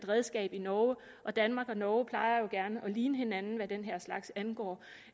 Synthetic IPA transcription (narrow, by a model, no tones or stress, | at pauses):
d̥ʁɛðˠsɡ̥ɛ̰ːb̥inɒʊ | ʔɒ̽d̥ænmɑ̈ːɡ̥ɒ̽nɒːʊpʰlɑ̈ɪɐjo̝ɡ̥æɐnəʔɒ̽liːnəhe̝nænn̩ʋæd̥enɦeɐ̰slɑ̈ɡ̥sænɡ̥ɒ̰ː